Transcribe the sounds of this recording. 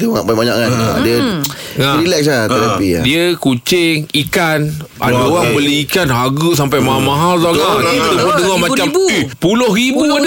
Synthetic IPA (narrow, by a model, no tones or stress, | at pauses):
t̪uŋaʔbabaɲaʔŋan̰diə | ŋaɾilɛkslat̪ət̪apḭdiəkut͡ʃɪŋikan | ʔa̰daoɣaŋbəliikanɦaɡəs̬ampajmaamãɦalsaɡaibt̪uod̪əŋɔmãt͡ʃampulohɾibuad